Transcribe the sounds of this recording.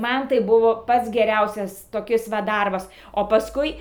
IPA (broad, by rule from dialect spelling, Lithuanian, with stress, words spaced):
ˈmɐn tɐɪ ˈbʊʋoː ˈpɐts ɡʲɛˈrʲɛʊsʲɛs toːˈkʲɪs ʋɐ ˈdɐrbɐs oː pɐsˈkʊɪ